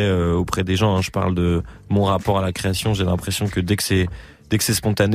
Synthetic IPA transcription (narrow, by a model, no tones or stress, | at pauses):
ɛøopχɛd̪eʒɑ̃ɛ̃ʒəpa̰ʁld̪ə | mɔ̃ʁapɔʁalakχeasjɔ̃ʒelɛ̃pχesjɔ̃kəd̪ɛkə̥sɛ | d̪̥ɛkə̥sɛspɔ̃t̪an